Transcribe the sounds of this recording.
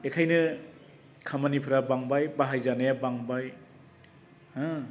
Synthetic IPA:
ekʰajnɯ | kʰamanipʰɯɾabaŋbajbaɦajzanajabaŋbaj | hã

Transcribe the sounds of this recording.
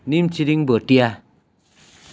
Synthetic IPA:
nim̩t͡ʃiɾiŋbotia

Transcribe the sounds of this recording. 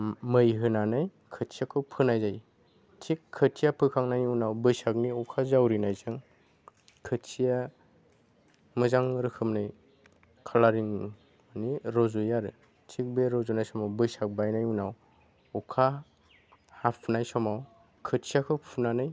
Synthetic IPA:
mɯjɦɯnanɯj | kʰəsʰiakʰɯwpʰɯnajzaj | tʰikʰːətʰijapʰɯkʰaŋnajunawbɯjsak̚niɔkʰazawɾinajzɯŋ | kʰɯt͡ʃija | mɯzaŋɾɯkʰɯmnɯj | kʰalaɾiŋ | aniɾɔzujaɾɯ | tʰik̚beɾɔzunajsɔmawbɯjsak̚bajnajunaw | ɔkʰa | hapʰnajsɔmaw | kʰɯsʰijakʰɯwpʰunanɯj

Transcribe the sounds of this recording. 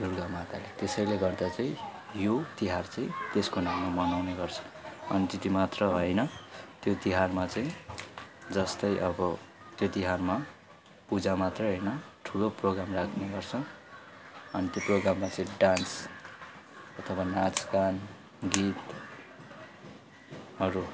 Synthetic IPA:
d̪urɡamat̪alet̪esʌjleɡʌrd̪at͡saĩ | jot̪iɦart͡saĩt̪eskonamːamʌnawneɡʌrt͡sʰʌ̥ʌnit̪it̪imat̪rʌɦʌjnʌt̪jot̪iɦarmat͡saĩ | d͡zʌst̪ʌjʔʌbʌ | t̪jot̪iɦarma | pud͡zamat̪rʌɦʌjnʌʈʰuloproɡɾamrakʰneɡʌrt͡sʰʌ | ʌnit̪joproɡɾamːat͡saĩɖans | ʌt̪ʰʌbanat͡skan | ɡit̪ | ɦʌɾu

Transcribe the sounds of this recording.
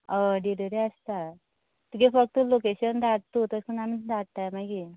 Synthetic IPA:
aɖiɾeɾeəst̪a | t̪ukefək̚t̪əlokeɕənd̪aɽt̪ut̪əɾkənamid̪aɽt̪amaɡi

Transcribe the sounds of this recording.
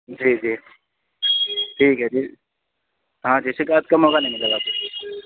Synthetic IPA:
d͡ʒiːd͡ʒiː | ʈʰiːkɦɛd͡ʒiː | ɦãːd͡ʒiːsɪkaːt̪̚kɐmɦoːɡanɐ̃ɦĩmɪlaɡaːpe

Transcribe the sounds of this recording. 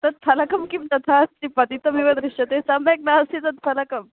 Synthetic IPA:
t̪ɐt̪̚fʰɐlɐkɐmkimt̪ɐt̪ʰatt͡ɕipɐt̪it̪ɐmiʋɐd̪ɾiʂɐt̪esamek̚nasit̪ɐt̪̚fʰɐlɐkɐm

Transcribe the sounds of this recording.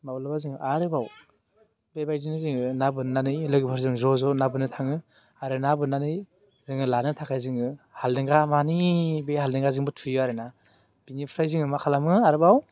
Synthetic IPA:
mawlabazɯŋɯʔaɾɯbaw | bebajzinɯzɯŋɯnabɯnanɯjlɯɡɯpʰɯɾzɯŋzɔzɔnabɯnɯtʰaŋɯ | aɾɯnabɯnanɯj | zɯŋɯlanɯtʰakʰajzɯŋɯhalnɯŋɡamanibehalnɯŋɡazɯŋbɯtʰɯjuaɾɯna | b̥inipʰɾajziŋɯmakʰalamɯaɾɯbaw

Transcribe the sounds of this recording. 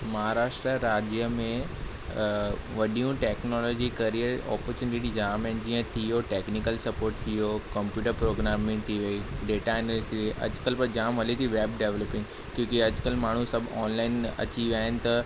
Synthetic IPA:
mɐɦaɾaːʃʈɾəɾaːd͡ʑjəmẽ | ʋɐɗijũʈeːknɔːlɔːd͡ʑikɐɾieɔ̰ːpəɾt͡ɕuːnɪʈid͡ʑaːmẽnd͡ʑiːə̃t̪ʰijoʈeːknikəlsɐpoːɾʈ̚t̪ʰijokɐ̃mpjuːʈəɾpɾoːɡɾaːmːẽt̪ʰiʋɐiɖeːʈaɛnlisiʋiʔɐ̰d͡ʑʊkəlpɐɾd͡ʑaːmʋɐlit̪ʰiʋeːbɖeʋləpɪ̃ŋ | kjõːkiɐd͡ʑkəlmaːɳ̤usɐbʱɔːnlaːɪnɐ̰t͡ɕiʋjaːɦɪnɪ̆t̪ɐ

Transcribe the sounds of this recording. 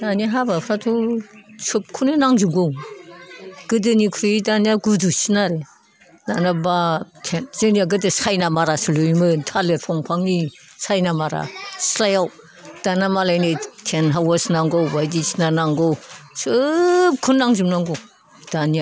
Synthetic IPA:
daniaɦabapʰɾatʰusup̚kʰunɯnaŋzuɡow | ɡ̥ɯdɯnikʰɾidanijaɡudusinaɾe | nanabatʰenzɯnijaɡɯdɯsajnamaɾasɯlujmɯntʰaleɾpʰɔŋpʰaŋni | sajnamaɾa̰slajaw | d̥anamalajnetʰenɦawasnaŋɡowbajdisi̥nanaŋɡowsɯp̚kʰunnaŋzumnaŋɡow | d̥anija

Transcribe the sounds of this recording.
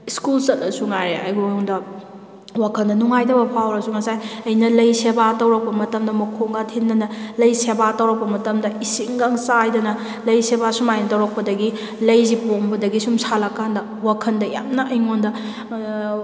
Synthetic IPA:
iskulsɐt̚ʔɐsuŋaɾea̰jɡoŋdɐ | wakʰɐndɐnuŋajdɐbɐpʰawɾɐsuŋɐsajɐjnɐlɐjsebatɐwɾɐk̚pɐmɐtɐmdɐmɐkʰoŋɡatʰinːɐnɐlɐjsebatɐwɾɐk̚pɐmɐtɐmdɐisiŋɡaŋsajdɐnɐ | lɐjsebasumajnɐtɐwɾɐk̚pɐdɐɡi | lɐjzipoŋbɐdɐɡisumsalɐkːandɐ | wakʰɐndɐja̰mnɐʔɐjŋondɐ

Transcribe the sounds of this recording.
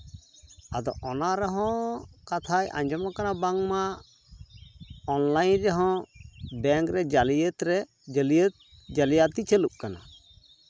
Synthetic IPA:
ad̪ɔ̰ʔɔnaɾɛɦɔ̃kat̪ʰaja̰ɲd͡ʒɔmakanabaŋma | ɔnlajnɾɛɦɔ̃bɛŋkɾɛd͡ʒalijət̪ɾɛ | d͡ʒəlijət̪̚ | d͡ʒalijat̪it͡ʃʰəlup̚kana̰

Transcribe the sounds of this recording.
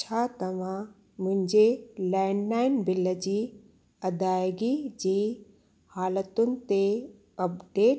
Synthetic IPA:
t͡ɕʰat̪ɐʋ̤ã | mʊ̃ɦɪ̃ɲd͡ʑelaɪnlaːɪnbɪləd͡ʑiː | ɐd̪aːjɡid͡ʑiː | haːlət̪ʊnɪ̆t̪e | ɐpɖeːʈ

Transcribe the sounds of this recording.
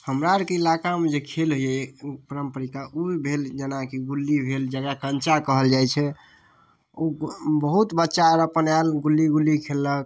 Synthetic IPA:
həmɾaɾkeilakamed͡ʒekʰelɦojɛpəɾəmpəɾikaʔubʱeld͡ʒənakiɡulːibʱeld͡ʒəɡɾakənt͡ʃakəɦəld͡ʒajt͡ʃʰɛ | obəɦut̪bətːʃaɾəpənalɡulːiɡulːikʰelːək̚

